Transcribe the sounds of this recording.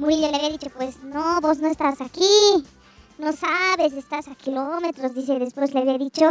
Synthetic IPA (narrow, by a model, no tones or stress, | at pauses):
muɾiʎoleaβiaðit͡ʃo̞pwe̞snoβo̞znoest̪asaki | nosaβes̬est̪asakʰilomet̪ɾozðis̬eðespwesleaβiaðit͡ʃo